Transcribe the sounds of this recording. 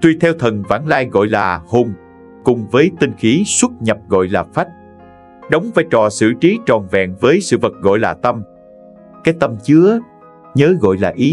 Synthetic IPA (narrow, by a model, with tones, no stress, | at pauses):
t̪wi˧t̪ʰɛ˧wt̪ʰə˨˩nva̰ː˧˥nlaː˧jɣɔ̰˧˨jlaː˨˩hʊ˧˩ŋ͡m | kʊ˨˩ŋ͡mvəː˨˦jt̪ï˧ŋxi˨˦swə˦˥t̚ɲə˨˩p̚ɣɔ̰˧˨jlaː˨˩fa˦˥t̚ | ɗə˨˦wŋ͡mvaː˨˦jt͡ɕɔ˧˩sɨ̰˧˩t͡ɕi˨˦t͡ɕɔ˨˩nvɛ̰˧˨ŋvəː˨˦jsɨ̰˧˨və˨˩t̚ɣɔ̰˧˨jlaː˨˩t̪ə˧m | kaː˨˦jt̪ə˧mt͡ɕɨ˨˦ə | ɲəː˨˦ɣɔ̰˧˨jlaː˨˩ʔi˨˦